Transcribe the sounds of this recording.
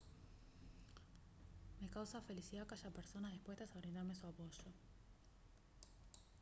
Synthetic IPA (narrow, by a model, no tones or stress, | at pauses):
mekawsafelisiðakaʃapeɾsonazðihpwe̞st̪asaβɾind̪aɾmesuapoʃo